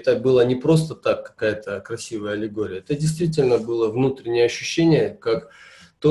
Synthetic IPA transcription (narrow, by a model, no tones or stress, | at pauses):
t̪əbɨlˠənʲɪpɾo̞st̪ət̪akːɐ̥kajət̪əkɾɐsʲivəjəɐlʲɪɡoɾʲɪjəɛt̪ədʲɪjst̪vʲitʲɪlʲnəbɨlˠəvnut̪ɾʲɪnʲɪjəɐɕːʉɕːenʲɪjəkak | t̪o